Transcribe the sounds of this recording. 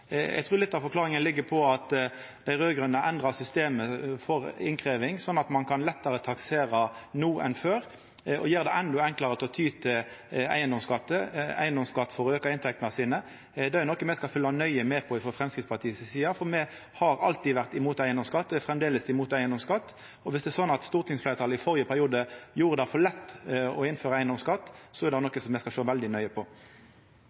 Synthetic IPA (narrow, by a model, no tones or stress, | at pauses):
ɛ̰ɡt̪ʰʁʉːlɪt̪ːɑʋfɔɾklɑːʁɪŋənlɪɡːəpʰɔɑt̪ | d̪̥æɪʁøːɡɾʉnːəʔɛnd̪ʁɑsʏst̪eːməfɔʁɪ̰nkʰɾeːʋɪŋsɔnːɑt̪mɑnkʰɑnlɛt̪ːəɾət̪ʰɑkseːɾɑnuːʔɛ̰nføːɾ | ɔ̰jeːʁd̪ɛʔɛnd̪ɔɛŋklɑɾət̪ʰɪlɔt̪ʰyːt̪ʰɪæ̰ɪənd̪ɔmskɑt̪ːəæ̰ɪənd̪ɔmskɑt̪ːfɔɾøːkəɪnt̪ʰɛkt̪nəsiːnə | d̪ɛːɛnɔkːəmɛskɑlfʏlːɑnœʏəmɛːpʰɔɪfɔfʁɛmskɾɪt̪spʰɑt̪ʰiːssiːɑfɔʁmɛ | hɑɾɑlt̪iːʋæʁt̪ɪmuːt̪æɪənd̪ɔmskɑt̪ːəfɾɛmd̪eːləsɪmuːt̪æɪənd̪ɔmskɑt̪ː | ɔʋɪsd̪ɛːsɔnːɑt̪st̪uːʁt̪ʰɪŋsfleːɾt̪ɑːləɪfɔɾjəpʰæɾɪuːd̪əjuːʁəd̪ɑfɔlɛt̪ːɔɪnføːɾəæɪənd̪ɔmskɑt̪ːsɔɛɾd̪ɛnɔkːəsɔmːɛskɑʃoːʋɛld̪ɪnœʏəpʰɔ